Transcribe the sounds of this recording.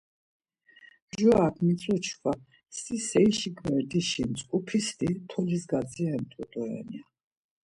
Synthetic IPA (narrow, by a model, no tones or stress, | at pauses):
ʒuakʰmit̪sʼɔt͡ʃʰkʰwa | sisɛiʃiɡvɛɾd̪iʃinsʼkʼupʰist̪ʼit̪ʰɔlisɡad̪ziaɛmt̪ʼut̪ʼɔɛ̰nia